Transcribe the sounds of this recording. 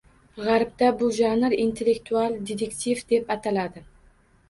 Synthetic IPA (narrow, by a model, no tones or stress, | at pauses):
ʁaɾb̚d̪abʊʒanɪɾint̪ʰe̞lːekt̪ʰualˠd̪et̪ʰekt̪ʰivd̪e̞pat̪ʰalad̪ɪ